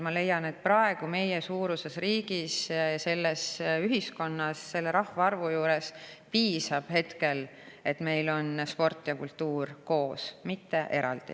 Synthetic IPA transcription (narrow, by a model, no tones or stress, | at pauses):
mɑle̞jːɑne̞t̪̚prɑe̞ɡ̥ume̞jesuːɾuse̞sriːɡ̥isɑse̞lːesyɦisko̞nːɑsse̞lːe̞ɾɑhvɑɑrvujuːɾe̞spiːsɑb̥he̞t̪ke̞l | e̞t̪me̞jlo̞nspo̞rt̪ːˑjɑkult̪ːuːrko̞ːsmit̪ːe̞ʔe̞ɾɑ̰ld̪̥ḭ